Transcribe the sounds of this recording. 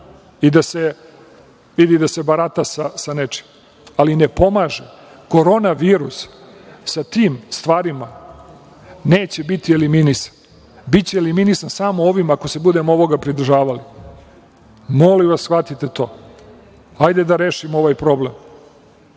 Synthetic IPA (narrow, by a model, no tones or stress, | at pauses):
id̪ase | ʋid̪id̪ase̞baɾat̪asasanet͡ʂi̥m | alinepo̞maʒe | ko̞ɾo̞naʋiːɾusː | at̪iːmst̪ʋaːɾima | neːt͡ɕe̞bit̪ieliminisḁn | bit͡ɕeeliminisansamooʋimakose̞bud̪e̞moo̞ʋo̞ɡapɾid̪r̩ʒaːʋali | mo̞liʋasxʋat̪it̪et̪o̞ː | ajd̪e̞d̪aɾe̞ːʃimo̞ʋaːjpɾo̞blem